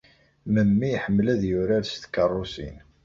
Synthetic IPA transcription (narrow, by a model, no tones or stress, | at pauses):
məmːiħəmːlæðjʊɾaɾst̪kərˤːʊsḭn